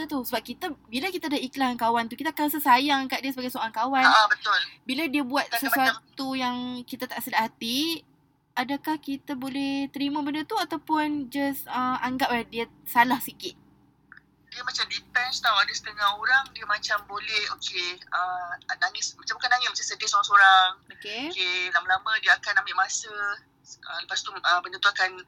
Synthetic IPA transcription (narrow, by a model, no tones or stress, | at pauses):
at̪usəbap̚kit̪abilakit̪adaiklahnkawant̪ukit̪akanasəsajaŋkat̪̚diəsəbaɡajsoaŋkawanabət̪ʊlbiladiəbuat̪̚səsuat̪ujaŋkit̪at̪aʔsədaʔhat̪i | adakahkit̪abolɛht̪əɾimãbəndət̪uat̪awpʊnd͡ʒasəmaŋɡap̚ladiə | salahsikɪt̪̚ | diəmat͡ʃamdipɛnst̪awadasə̥t̪əŋahoɾaŋdiəmat͡ʃambolɛhokʰeəanaŋɪmat͡ʃamakanaŋɪt̪mat͡ʃamsədisoɾaŋsoɾaŋokeokelamalamə̃diəakanambimasə | ələpast̪uəbəndət̪uakan